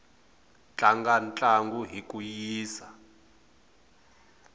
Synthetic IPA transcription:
t͡ɬʼaŋɡant͡ɬʼaŋɡuɦik̬ʼujiːsa

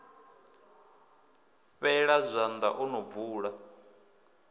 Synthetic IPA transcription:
ɸɛɺazʷand̪a̰ʔɔnob̪vuːɺa

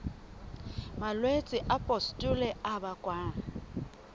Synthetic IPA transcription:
malwet͡sʼɪʔapʼɔstʼʊlɛabakʼwaː

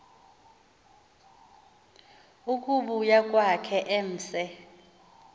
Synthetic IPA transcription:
ukʼuɓujak̬ʼwakʰɛʔem̩ːsɛ

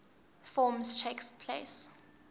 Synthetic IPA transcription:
fɔːmstʰekspʰlḛɪs

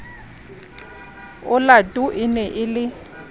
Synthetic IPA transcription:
ʊlatʼuʔɪnɛʔɪlɪ

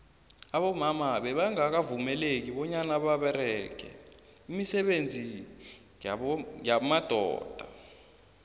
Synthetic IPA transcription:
aɓɔmamaɓɛɓaŋak̬avumɛlek̬iɓɔɲanaɓaɓɛɾɛkɛ̰ | imisɛɓend͡zʱi | jamad̥ʱɔ̰ːd̥ʱa

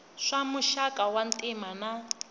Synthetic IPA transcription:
ʂamuʃakʼawan̩tʼimana

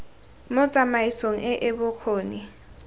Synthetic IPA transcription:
mʊt͡sʼamaisoŋ̩ɛʔɛbʊkʰoːni

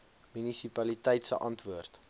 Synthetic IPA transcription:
mynisipɐlitɛjtsə̰ʔɐntvuərt

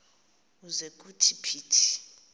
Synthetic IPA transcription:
uzekʼutʰipʰiːtʰi̥

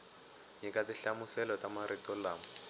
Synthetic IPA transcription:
ɲikʼatiɬamʊsɛlɔtamaɾitʼɔlaːm

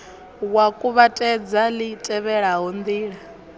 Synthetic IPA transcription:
wakʼuβatʼɛd͡zalitʼɛβɛɺaɦɔnd̪iːɺa

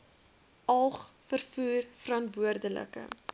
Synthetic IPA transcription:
ɐlˠχfərfuːrfəɾɐntvuərdələ̰kə̰

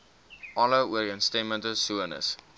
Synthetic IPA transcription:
ʔɔləuəɾənstemə̃ntəsuənə̰s

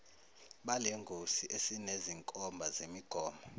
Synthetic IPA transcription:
ɓaleŋɡʱosiʔesineziŋkʼɔmbʱazemiɡ̥ʱɔːmbʱɔ

